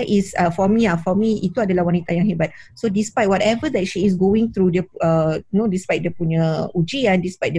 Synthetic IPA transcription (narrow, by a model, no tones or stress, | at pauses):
ɛʔisəfɔmĩafɔmĩit̪uadalahwanit̪ajãŋɦɛbat̪̚sodispajt̚wɔtɛvəd̪ɛt̚ʃiːs̬ɡoĩŋt̪ɾudəənõdispajt̚dəpuɲə̃ud͡ʒiãndispajt̚də